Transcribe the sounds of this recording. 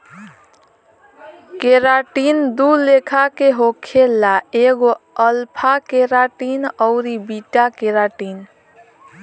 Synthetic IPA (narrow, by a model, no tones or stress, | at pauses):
keɾaʈind̪ulekʰakeɦokʰelaeɡoəlpʰakeɾaʈinəʊɾibiʈakeɾaʈin